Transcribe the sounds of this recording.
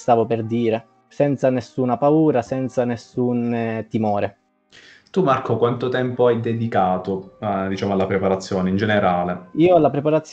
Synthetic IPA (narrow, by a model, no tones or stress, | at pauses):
st̪aːvoperd̪iːɾe | sɛnt̪sanesːuːnapauːɾasɛnt̪sanesːunt̪imɔːɾe | t̪umarkokwant̪ot̪ɛmpoajd̪ed̪ikaːt̪od̪it͡ʃaːmoalːapɾepaɾat̪sːjɔːneind͡ʒeneɾaːleiːoalːapɾepaɾat̪sː